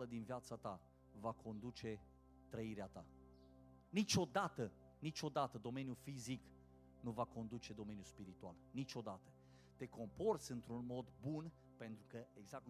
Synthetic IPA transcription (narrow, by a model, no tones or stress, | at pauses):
ləd̪inviat̪sat̪a | vakʰo̞nd̪ut͡ʃe̞ | t̪ɾəiɾeat̪a | nit͡ʃo̞d̪at̪ə | nit͡ʃo̞d̪at̪əd̪o̞me̞njufizik | nuvako̞nd̪ut͡ʃe̞d̪o̞me̞njuspiɾit̪ualnit͡ʃo̞d̪at̪ə | t̪e̞ko̞mpo̞rt̪sʲɨnt̪ɾunmo̞d̪bun | pe̞nt̪ɾukəeɡzak̚